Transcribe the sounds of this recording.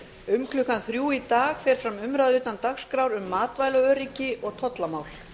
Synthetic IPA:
ʏmkʰlʏhkanθɾjuːit̪aːɣfɛːɾ̥fɾamʏmɾaðyːt̪ant̪axskɾawɾʏmːaːt̪vaːjlaœːɾicɪʔɔɣt̪ʰɔt̪lamaːwl̥

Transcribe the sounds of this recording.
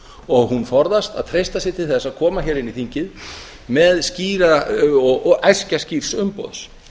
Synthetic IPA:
ɔɣhunfɔɾðast̪a̰ðt̪ʰɾejst̪asɪɾt̪ʰɪlθɛsːaðkʰɔːmaçɛːɾɪniθiɲcɪð | mɛðsciːɾaɔɣajscasciɾ̥sʏmpɔ̰ðs

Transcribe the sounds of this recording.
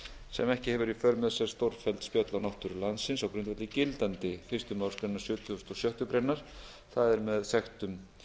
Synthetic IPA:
sɛ̰mɛhcɪhɛvʏɾifœɾmɛðsɛɾ̥st̪owɾfɛlt̪spjœːt̪lawnawht̪ʏɾʏlansɪnsawkɾʏnt̪vɛt̪ɪcɪlt̪ant̪ɪfɪst̪ʏmawɾskɾejnːaɾ̥sʏːt̪ʰʏʏst̪ɔsjœht̪ʏpɾejnːaɾ̥ | θaðɛɾmɛðsɛxt̪ʏm

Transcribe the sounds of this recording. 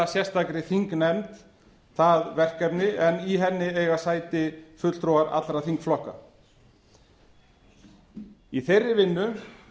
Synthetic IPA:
asjɛst̪akɾɪθiŋknɛmt̪ | θaðvɛr̥kɛpnɪʔɛniɦɛnːɪejɣasaːjt̪ɪfʏt̪l̥t̪ɾowaɾa̰t̪lɾaθiŋkflɔhka̰ | iθejrːɪvɪnːʏ

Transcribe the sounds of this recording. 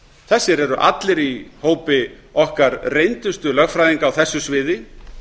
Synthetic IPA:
θɛsːɪɾɛɾʏʔa̰t̪lɪɾihoːwpɪ | ɔhkaɾrejnt̪ʏst̪ʏlœɣfɾajðiŋkaːwθɛsːʏsvɪːðɪ

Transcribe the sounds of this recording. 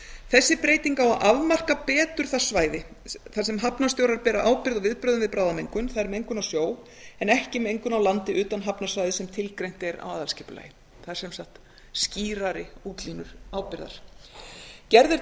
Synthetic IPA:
θɛsːɪpɾeːjt̪iŋkawaʔavmar̥kapɛːt̪ʏɾ̥θḁsvaːjðɪ | θas̬ɛmɦapnast̪jowɾaɾpɛːɾaʔaːwpɪɾðavɪðpɾœːðʏnvɪðpɾaːwðamejŋkʏnθaðɛɾmɛejŋkʏnasjoːw | ɛnɛhcɪmɛejŋkʏnawlant̪ɪʔʏːt̪anɦapnasvajðɪsɛmt̪ʰɪlkɾejn̥t̪ɛɾa̰waːðalscɛːpʏla̰jɪ | θaðɛɾsɛmsaht̪ | sciːɾaɾɪuːt̪liːnʏɾ̥aːwpɪɾða̰ɾ̥ | cɛɾðʏɾ

